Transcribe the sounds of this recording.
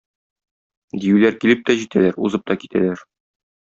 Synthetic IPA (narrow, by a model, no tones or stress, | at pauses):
d̪ijʉlæɾkilɘp̚t̪æʑit̪ælæɾuzɤp̚t̪ɒkit̪ʰæ̰læɾ